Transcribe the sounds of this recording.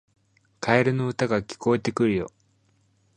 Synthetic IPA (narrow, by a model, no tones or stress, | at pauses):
kʰaeɾɯ̟no̞ɯ̟t̪aɡakʲi̥ko̞e̞t̪e̞kɯ̟ɾɯjo̞̰